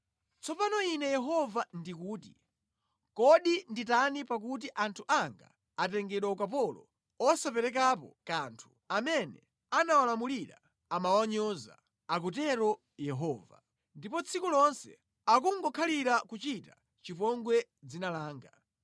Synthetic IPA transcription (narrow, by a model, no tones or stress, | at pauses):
t͡sɔpanɔinɛjɛɦɔvandikuːti | kɔɗinditanipak̬ut̬iʔantʰuʔaŋɡa̰ | atɛŋɡɛɗwaukapɔlɔ̰ | ɔsapɛɾɛk̬apɔ̰kaːntʰu̥ | amɛnɛ | anawalamuliɾa̰ | amawaɲɔːza̰ | ak̬utɛɾɔ | jɛɦɔːva̰ | ndipɔt͡sʰikulɔnsɛ̰ | ak̬uŋɡɔkʰaliɾakut͡ʃita | t͡ʃipɔŋɡwɛ | d͡zinalaːŋɡa